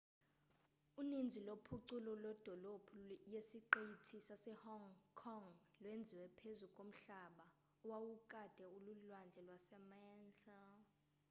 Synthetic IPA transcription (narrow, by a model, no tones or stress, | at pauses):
unind͡zʱilopʰuǀulɔlɔd̥ʱɔlob̥ʰʱujesiǃejitʰisasɛhɔŋkʰɔŋlwend͡zʱiwɛpʰezukʼom̩ɬaɓa | ɔwawukʼad̥ʱɛululwand͡ɮʱɛlwasɛmajɛnɬɛl